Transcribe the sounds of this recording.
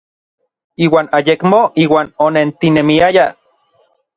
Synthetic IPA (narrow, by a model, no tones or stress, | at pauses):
iːwaːnajekmoʔiːwaːnonent̪inemiaja